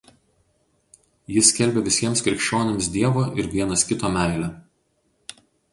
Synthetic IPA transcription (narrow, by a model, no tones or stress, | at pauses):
jɪsʲkʲɛlʲbʲeʋʲɪsʲiɛmskɾʲɪkʃʲt͡ʃʲoːnʲemsd̪ʲiɛʋoːʔɪɾʋʲiɛnɐskʲɪt̪oːmʲæˑɪlʲɛ